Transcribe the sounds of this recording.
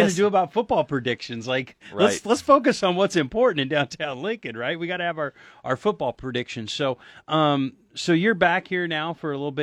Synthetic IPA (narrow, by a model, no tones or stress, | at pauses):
ʌnɨdɨːbaʊtfʊt̚b̥ɔlˠpʰɹ̥ɨdɪkʃɨ̃nzlaɪkləslətsfoʊk̬ɨsn̩wʌtsɨ̃mpʰɔɹʔn̩tɨ̃ndãʊ̃ntʰãʊ̃nlɪ̃ŋkɨd̚ɹaɪt̚wiɡɑɾɨɨvʊə˞ʔaʊə˞fʊt̚b̥ɔlˠpʰɹ̥ɨdɪkʃɨ̃nz̥soʊʔʌ̃m | soʊjə˞bækhiɹnaʊfə˞əlɪɾl̩ˠbɪ